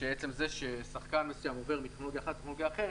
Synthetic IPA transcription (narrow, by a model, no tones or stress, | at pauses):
ʃeet͡se̞mzeʃesaχkanmesujamove̞ʁmit̪eχno̞lo̞ɡjaːχat̪ːeχnoloɡjaːχe